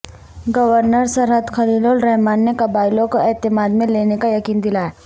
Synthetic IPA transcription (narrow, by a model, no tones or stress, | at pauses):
ɡɐʋəɾnəɾsɐɾɦəd̪xʰɐliːloːlɾɛɦmaːnːekɐbaːɪlõkoɛːt̪ɪmaːd̪mẽleːnekajɐkiːnd̪ɪlaːe